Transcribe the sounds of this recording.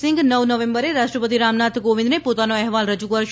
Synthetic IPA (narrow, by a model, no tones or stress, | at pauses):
sɪŋɡnəʋnəʋembəɾeɾaʃʈɾəpət̪iɾamnat̪ʰɡoʋɪ̃nd̪nepot̪anoɛɦʋalɾəd͡ʒukəɾʃ